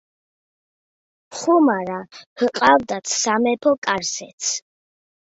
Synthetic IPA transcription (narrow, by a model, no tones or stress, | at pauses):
χumaɾahqʼavd̪at̪ʰsamɛpʰɔkʼaɾsɛ̰t̪sʰ